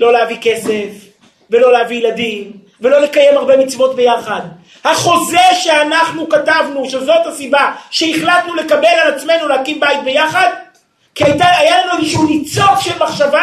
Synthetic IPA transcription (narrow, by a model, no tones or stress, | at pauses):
lo̞leavike̞se̞f | ve̞lo̞leavijladim | ve̞lo̞le̞kaje̞maʁbe̞mit͡svo̞tbe̞jaχad | haχo̞ze̞ʃe̞anaχnukatavnuʃe̞zo̞thasibaʃe̞iχlatnule̞kabe̞lalat͡sme̞nulehakimbajit̚be̞jaχad | kiajtaajalanuezeʃuunit͡so̞kʃelmaχʃava